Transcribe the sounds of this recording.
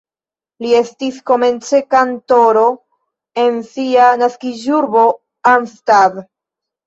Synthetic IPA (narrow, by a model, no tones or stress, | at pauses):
lie̞stisko̞me̞nt͡se̞kanto̞ɾo̞ | e̞nsianaskiʒuɾbo̞ | anstab